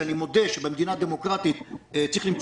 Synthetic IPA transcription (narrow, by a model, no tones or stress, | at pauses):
animod̪eʃebemd̪inad̪emokʁat̪it̪t͡sːʁiχlim